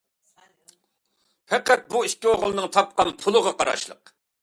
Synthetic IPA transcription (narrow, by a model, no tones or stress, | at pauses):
pʰɛqæt̪̚buiʃkʲioʁlˠɨnɨŋt̪ʰɑp̚qɑnpʰʊlˠəʁɑqʰɑɾɑ̰ʃlˠə̰q